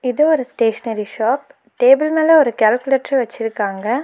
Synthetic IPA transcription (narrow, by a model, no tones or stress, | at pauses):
ɪðɯɔɾɯsʈeːʂɐnɐɾiʃaːp̚ | ʈeːbɪlmeːlɐɔɾɯkaːlkʊleːʈːrɛʋɐt͡ʃːɪɾɯkːaːŋɡɐ